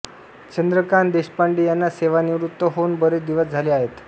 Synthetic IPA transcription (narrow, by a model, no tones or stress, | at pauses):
t͡ɕənd̪ɾəkaɳd̪eɕpaɳɖiːjanːaseʋaniʋɾut̪ːəɦounbəɾed̪iʋəsd͡zʱaliːaɦet̪